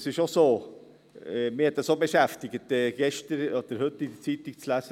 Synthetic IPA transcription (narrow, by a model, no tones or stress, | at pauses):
sɪʃosoː | mɪhɛt̚d̥̪ɑsobəʃæft̪ɪɡət̪ɛɡ̥ɛʃtəɾɔd̥̪əɾhɵt̪ːid̪ət͡sit̪ɪk̚t͡slæsə